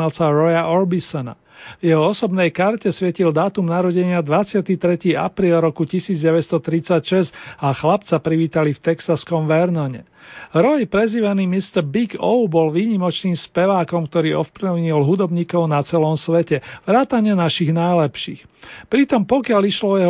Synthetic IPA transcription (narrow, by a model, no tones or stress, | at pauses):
alsaɾɔjaʔɔɾbisɔna̰ | vjɛɦɔɔsɔbnɛjkaɾcɛsʋɪɛcild̪aːt̪umnaɾɔɟɛɲɪad̪ʋat͡sɪat̪it̪ɾɛciːʔa̰pɾiːlɾɔkucisiːd͡zɟɛʋɛcst̪ɔt̪ɾit͡sacʃɛzaxlapt͡sapɾiʋiːt̪alift̪ɛksaskɔmʋɛɾnɔɲɛ̰ | ɾɔjpɾɛziʋanimist̪ɛɾbiɡɔʊbɔlʋiːɲimɔt͡ʃniːmspɛʋaːkɔmkt̪ɔɾiːɔfpliʊɲilɦud̪ɔbɲiːkɔʊnat͡sɛlɔmsʋɛcɛʋɾaːt̪aɲɪɛnaʃiɣnajlɛpʃḭːx | pɾit̪ɔmpɔkɪaliʃlɔɔjɛɦ